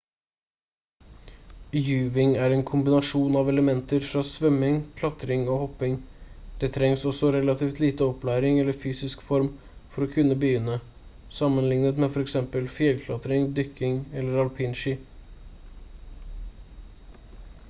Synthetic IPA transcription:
jʉːʋɪŋæɾɛːnkʰʊmbɪnɑʂuːnɑʋɛləmɛnt̪əɾfɾɑːsʋœmɪŋkʰlɑt̪ɾɪŋoːhɔpːɪŋd̪̥ɛt̪ʰɾɛŋsɔsɔɾɛlɑt̪ʰiːft̪liːt̪əɔplæːɾɪŋɛlːəɾfyːsɪskfɔɾm | fɔɾɔkʰʉnːəbəjʏnːə | sɑmːənlɪŋnət̪meːfɔɾɛksɛmpəlfjɛlkʰlɑt̪ɾɪŋd̪ʏkːɪŋɛlːəɾɑlpʰɪnʃiː

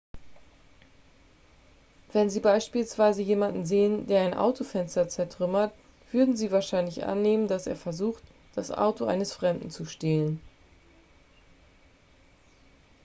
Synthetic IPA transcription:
vɛnziːbaɪʃpiːlsv̥aɪzəjeːmandn̩zeːəndeːɐaɪnʔa̰ʊtʰofɛnstɐt͡sɛɐtʁ̥ʏmɐt | v̥ʏɐdn̩ziːvaːɐʃaɪnlɪçʔa̰nːeːməndasḛːɐfɛɐzuːxt | d̥asʔa̰ʊtoʔa̰ɪnəsfʁ̥ɛmdn̩t͡suʃtɛːlən

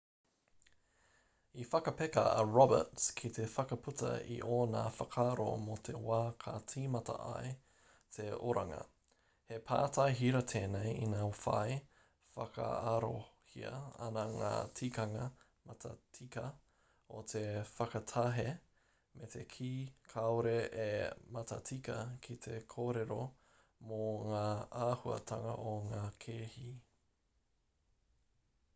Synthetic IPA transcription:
ifɐkɐpekɐɐɹɔbə̰tskʰit̪ʰefɐkɐpʰʉtɐ̰ḭʔoːnaːfɐkʰaɾo̰mot̪ʰe̞waːkʰatʰiːmɐtɐ̰ʔa̰e | t̪ʰeoɾaŋɐ̰ | hepʰa̰ːtʰajɦiɾɐt̪ʰeːnejinaːfa̰j | fɐkʰɐ̰ɐɾohiɐ̰ɐ̰nɐŋa̰ːtʰikɐŋɐ | mɐtʰɐ̰tʰikɐ | ot̪ʰefɐkɐtʰɐɦe | metʰekʰiːkʰaoɾeʔemɐtɐtʰikɐkʰit̪ʰe̞kʰoːɾeɾo | moŋaːahuɐ̰t̪ʰɐŋɐʔoŋaːkʰeːhi

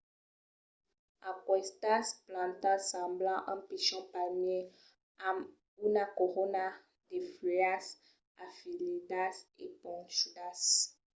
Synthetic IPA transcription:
akwɛst̪asplãt̪ãsɑ̃blãʔãpiʃɔ̃paɲie | am | unakoʁona | d̪efias | afilid̪asḛpɔ̃ŋʃud̪as

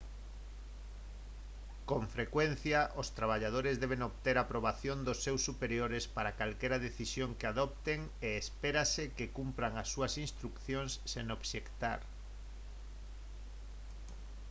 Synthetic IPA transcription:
koɱfɾekwen̟θjaʔost̪ɾaβ̞aʎað̞oɾɪzðɛβ̞eŋoβt̪eɾapɾoβ̞aθjond̪osːewsːupeɾjoɾɪspaɾakalkɛɾaðeθisjoŋkeaðɔp̚t̪eŋeːspeɾasɪkekumpɾaŋasːuɐsinst̪ɾukθjonsːenoβʃekt̪a̰ɾ

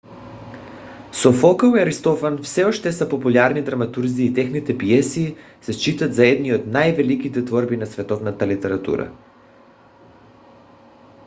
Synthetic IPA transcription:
sofɔkəiaɾist̪ɔfanfsɛɔʃt̪ɛsapopulʲaɾnid̪ɾamat̪uɾziːt̪ɛxnit̪ɛpiɛsiː | sɛst͡ʃit̪at̪zaɛd̪niot̪najvɛlikit̪ɛt̪vɔɾbinasvɛt̪ɔvnat̪alit̪ɛɾat̪ṵɾa̰

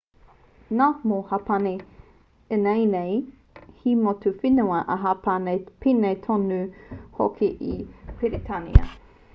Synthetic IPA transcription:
namohɐpɐne | enejnej | himotʰufinuɐʔɐɦapanejpʰinejtʰonʉho̰kʰiʔipʰiɾitʰanḭɐ̰

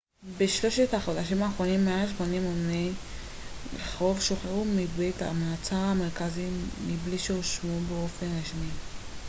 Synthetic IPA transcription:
beʃlo̞ʃethaχo̞d̪aʃimaːχʁo̞nimːeaʃmonimomnej | leχʁo̞vʃo̞χeʁumibeta̰maːt͡saʁame̞ʁkazimibliʃeoʃmubeo̞fe̞nʁiʃmi

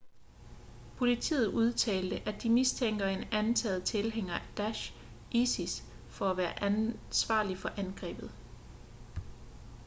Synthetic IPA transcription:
pʰo̝lit͡sʰḭːð̩ˠuð̞ˠt͡sʰɛ̰ːld̥əʔæd̥imist͡sʰeŋ̰ɡ̥ɐe̝nænt͡sʰæːð̩ˠt͡sʰe̝lɦeŋ̰ɐd̥æɕ | ʔisis | fɒ̽æʋæːɐʔænsʋɑ̰̈ːlifɒ̽ʔænɡ̥ʁɛ̰ːb̥ð̞̩ˠ

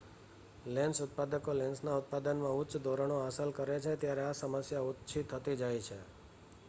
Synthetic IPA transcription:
lɛ̃nsʊt̪̚pad̪əkolɛ̃nsnaut̪̚pad̪ənmãʊtːt͡ʃd̪oɾəɳ̃oasəlkəɾet͡ʃʰet̪jaɾeasəməsjaʊtːt͡ʃʰit̪ʰːət̪id͡ʒajt͡ʃʰe

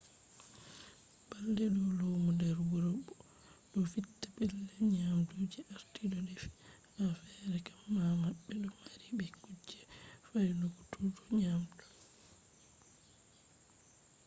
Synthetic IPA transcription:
b̥aldɛɗɔlowmundɛɾwuɾɔbːɔ | ɗɔfitːapɛlːɛɲamtud͡ʒiʔaɾtiɗɔdɛfi̥ | mafɛɾɛkḁmːamaɓːɛɗɔmaɾiɓɛkud͡ʒːɛfajnuɡutʰutɔɲamtu̥

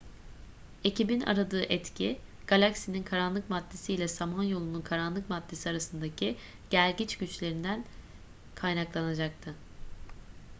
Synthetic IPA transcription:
e̞cibina̰ɾad̪ɯːʔɛt̪cʰiɡ̥alʲaksininkʰaɾanlˠɯkmad̪ːe̞sijlʲɛsamanjo̞lˠununkʰaɾanlˠɯkmad̪ːe̞siaɾasɯnd̪acʰi | ɟ̥æɾʲɟit͡ʃɟyt͡ʃlʲe̞ɾind̪æn | kʰajnaklˠanad͡ʒak̚t̪ʰɯ

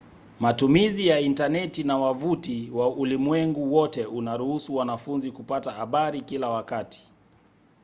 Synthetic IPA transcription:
matumizijaintanɛtinawavutiwaulimwɛŋɡuwɔtɛunaɾuhusuwanafunzikupatahaɓaɾikilawakati̥

